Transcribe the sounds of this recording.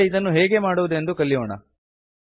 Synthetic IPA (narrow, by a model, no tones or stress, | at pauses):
id̪ɐnːuɦeːɡe̞maːɽuʋud̪e̞nd̪ukɐlːijoːɳɐ̰